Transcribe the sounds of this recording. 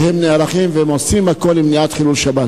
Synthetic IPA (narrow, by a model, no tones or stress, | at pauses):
hemneaʁaχimveemosimhako̞limniat̪χilulʃabat